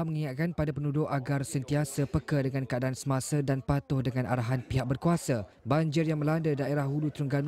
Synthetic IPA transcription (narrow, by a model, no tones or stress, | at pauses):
məŋiat̪̚kanpadapənudʊʔaɡarsənt̪iasəpəkədəŋankəadaːnsəmasadanpat̪ʊhdəŋãnʔa̰ɾaɦanpiɦak̚bərkuasa | baɲd͡ʒɪrjaŋmə̃landədaeɾahulut̪ɾuŋɡan